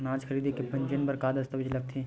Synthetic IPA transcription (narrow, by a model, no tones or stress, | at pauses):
naːd͡ʒxʰɐɾiːd̪ekepɐ̃ɲd͡ʒənpɐɾkaːd̪ɐst̪əʋɪd͡ʒlɐɡ̚t̪ʰẽː